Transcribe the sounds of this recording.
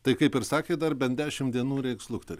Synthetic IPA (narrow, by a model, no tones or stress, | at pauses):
t̪ɐɪkɐɪpɪɾsɑːkʲeːd̪ɐɾbʲɛnd̪ʲæːʃʲɪmd̪ʲiɛnuːɾʲɛɪkslˠʊkt̪ɐɾʲ